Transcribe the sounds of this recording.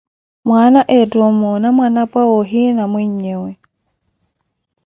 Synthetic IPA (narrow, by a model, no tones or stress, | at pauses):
mwanaʔɛtwɔmɔnamwanapwawoɦinamwɛɲewɛ